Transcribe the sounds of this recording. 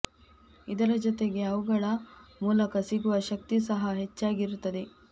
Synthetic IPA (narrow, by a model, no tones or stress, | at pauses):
id̪ɐɾɐd͡ʒot̪e̞ɡe̞ɐʋuɡɐɭɐmuːlɐkɐsiɡuʋɐʃɐk̚t̪isɐɦɐɦet͡ʃːaːɡiɾut̪ːɐd̪e̞